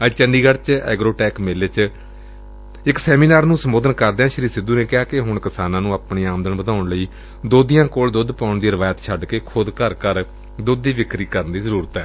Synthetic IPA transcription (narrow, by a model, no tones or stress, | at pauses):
ət͡ʃəɳɖiːɡəɽt͡ʃɛ̰ːɡɾoːʈɛːkmeːleːt͡ʃ | ɪksɛːmiːnaːɾnũːsəmoːd̪ənkəɾd̪eãːʃəɾiːsɪd̪ːuːnẽːkɪaːkɪɦʊɳkɪsaːnãːnũːaːpɳiːaːmd̪əɳbəd̪aːʊɳləiː | d̪oːd̪ijãːkoːld̪ʊd̪pãːʊɳd̪iːɾəʋaːjət̪t͡ʃʰəɖkeːkʰʊd̪kəɾkəɾ | d̪ʊd̪ːiːʋɪkɾiːkəɾənd̪iːzəɾuːɾət̪ɛː